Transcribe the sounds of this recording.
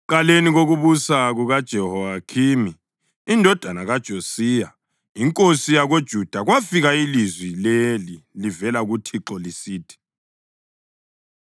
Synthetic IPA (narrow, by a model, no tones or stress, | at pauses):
ǃaleniɣoɣuβusaɣuɣad̥ʒ̥ʱɛhɔakʰimiː | ndʱɔd̥ʱanaɣad̥ʒ̥ʱosiːja | iŋkʼosijaɣod̥ʒ̥ʱud̥ʱaɣwafiɣailizwilelilivɛlaɣutʰiǁɔlisiːtʰi̥